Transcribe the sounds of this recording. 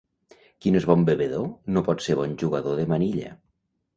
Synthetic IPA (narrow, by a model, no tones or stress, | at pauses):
kinezβɔmbeβeðonopɔt̪seɾβ̞ɔnʲʒuɣaðoðemaniʎḛ